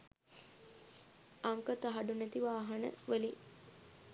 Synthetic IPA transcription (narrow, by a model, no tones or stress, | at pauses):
aŋkət̪aɦaɖunæt̪iʋaːɦanə̰ʋəli